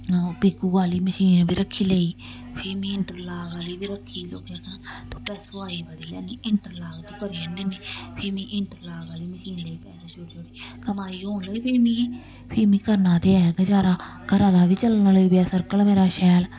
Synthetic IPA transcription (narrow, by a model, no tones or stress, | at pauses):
piːkuːɡaːliːməʃiːnbiːɾəkʰːiːləiː | pʰeːmĩːɪɳʈəɾlaːɡaːliːbiːɾəkʰːiːloːkaːkənːt̪õːpɛːsoaːiːbaɽiːjaːniːʔɪɳʈəɾlaːɡt̪iːkəɾiənd̪iːniːpʰeːmĩːʔɪɳʈəɾlaːɡaːliːməʃiːnləiːpɛːsaːt͡ʃoɾd͡ʒoːɾiːkəmaːiːɦoːnləiːpʰeːmĩː | pʰɪːmĩːkəɾnãːt̪eːɛːɡəd͡ʒaːɾaː | kəɾãːd̪aːʋiːt͡ʃəlnaləiːbɛːsəɾkəlmeːɾaːʃɛːl